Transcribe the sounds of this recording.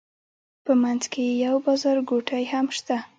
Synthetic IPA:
pəmanzkejawbɑzɑɾɡoʈʰajhamʃt̪a

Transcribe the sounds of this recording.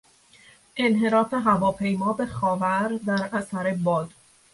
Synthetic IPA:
ʔe̞nɦe̞ɾɒːfe̞ɦævɒːpʰe̞jmɒːbe̞xɒːvæɾd̪æɾæsæɾe̞bɒːd̪̥

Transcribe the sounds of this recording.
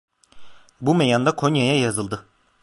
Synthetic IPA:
bumejand̪akʰoɲjajajɑzɯlˠd̪ɯ

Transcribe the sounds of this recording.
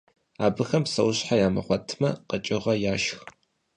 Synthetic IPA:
aːbɨxɐmsɐwɕħajaːmɐ̰χʷɔtʰmɐ̰qət͡ʃʼɪʁɐjaːʃx

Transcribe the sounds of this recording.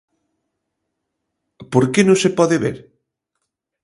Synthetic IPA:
poɾkenõsepɔðeβḛɾ

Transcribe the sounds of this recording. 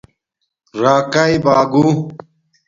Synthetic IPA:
ɾaːkaibaːɡu

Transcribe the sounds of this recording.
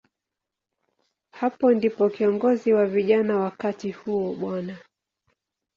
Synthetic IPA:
hapɔndipɔkiɔŋɡɔziwaviʄanawakatihuɔɓwana

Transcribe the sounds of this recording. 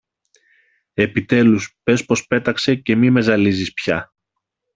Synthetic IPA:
e̞pit̪e̞luspe̞spo̞spe̞t̪ɐkse̞ce̞mime̞zɐlizispçɐ

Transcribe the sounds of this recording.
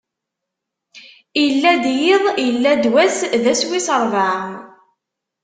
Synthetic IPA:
ijəlːæd̪jiðˤjəlːæd̪wæsðæswisəɾˤvaʕ

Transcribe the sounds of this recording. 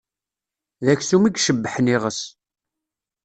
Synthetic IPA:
ðæçsumiɡʃəbːəħəniʁəs

